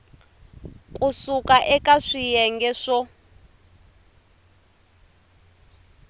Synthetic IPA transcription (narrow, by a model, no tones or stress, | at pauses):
kʼusukʼaʔɛkʼaʂijɛŋɡɛʂɔ